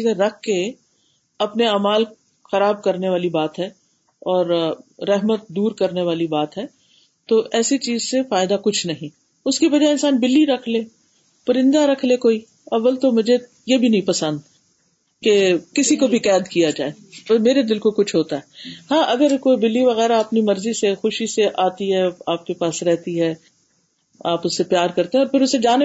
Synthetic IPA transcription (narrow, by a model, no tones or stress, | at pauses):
izẽɾɐkʰke | ɐpneaːmaːl | xɐɾaːb̚kɐɾneʋaːlibaːt̪ɦɛː | ɔːɾːɛɦmət̪̚d̪uːɾkɐɾneʋaːlibaːt̪ɦɛː | t̪oʔɛːsit͡ʃiːzsefaːɪd̪akʊt͡ʃʰnɐɦĩ | ʊskibɐd͡ʒaeɪ̃nsaːnbɪlːiɾɐkʰleː | pɐɾɪ̃nd̪aɾɐkʰlekoːi | ɐʋːəlt̪omʊd͡ʒʱe | jebʱinɐɦĩpɐsə̃nd̪ | kekɪsikobʱikɛːd̪kijad͡ʒa̰ːe | meːɾed̪ɪlkokʊt͡ʃʰɦoːt̪aɦɛːhãːʔɐɡəɾkoːibɪlːiʋɐɣɛːɾaɐpnimɐɾzisexʊʃiseʔaːt̪iɦɛaːp̚kepaːsɾɛɦt̪iɦɛː | aːpʊsːepjaːɾkɐɾt̪eɦɛ̃ɔːɾpʰɪɾʊsed͡ʒaːne